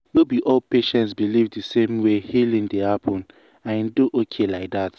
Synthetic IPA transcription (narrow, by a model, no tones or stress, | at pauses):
nobiʔɔlpeʃɛ̃ntsbilivdisẽmwehilĩŋdehapʰɔ̃n | ãnduʔokʰelaɪk̚dat